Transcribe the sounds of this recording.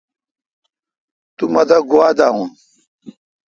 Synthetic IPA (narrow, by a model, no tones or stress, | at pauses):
t̪umɐd̪aɡuad̪aũ